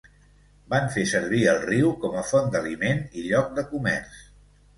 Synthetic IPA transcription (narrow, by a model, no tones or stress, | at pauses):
baɱfesəɾβiəlˠriwkɔməfɔnd̪əlimeniʎɔk̚d̪əkumɛ̰ɾs